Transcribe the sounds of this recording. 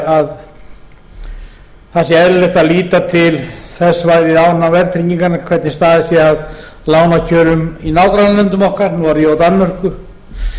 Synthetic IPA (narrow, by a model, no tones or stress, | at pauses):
að | θasjɛɛllɛht̪aðliːt̪at̪ʰɪlθɛsːvaɾðɪðawnnavɛɾt̪ʰɾiɲiŋkanakʰvɛt̪nɪst̪aːðɪsjɛað | laːwnacʰœːɾʏminaːwkɾanalɛnt̪ʏmɔhkaɾnuvaɾjɛawt̪anːmœr̥kʏ